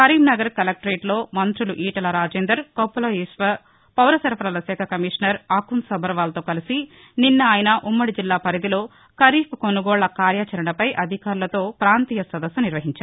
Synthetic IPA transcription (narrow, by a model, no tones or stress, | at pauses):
kɐɾiːmnɐɡɐɾkɐlɐk̚ʈɾeːʈlo̞ːmɐnt̪ɾuluʔiːʈɐlɐɾaːd͡ʒeːnd̪ɐɾkɐpːuloiʂʋɐ | pɐwɾɐsɐɾɐpɐɾɐlɐsɛːkʰɐkɐmiːʂɐnɐɾaːkunsɐbʱɐɾʋaːlɐt̪oːkɐlisi | ninːɐaːjɐnɐʔumːɐɽid͡ʒilːaːpɐɾid̪ilo̞ː | kɐɾiːpkonuɡɔːɭːɐkaːɾjaːt͡ʃɐɾɐɳɐpɐjʔɐd̪ʱikaːɾulɐt̪o̞ːpɾaːnt̪iːjɐsʋɐd̪ɐsuniɾʋɐɦiɲt͡ʃaːɾ